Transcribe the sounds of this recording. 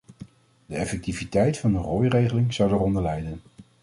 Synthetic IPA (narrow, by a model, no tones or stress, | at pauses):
d̥əɛfɛk̚tivitɛjtfɑndərɔjrejχəlɪŋz̥ɑwdərɔndəɹlɛjdən